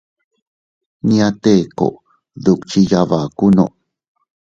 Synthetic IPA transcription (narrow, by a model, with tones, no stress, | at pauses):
nia˧t̪e˦ko̰˨ʔ | ðu˨kt͡ʃijavakuno̰˨ʔ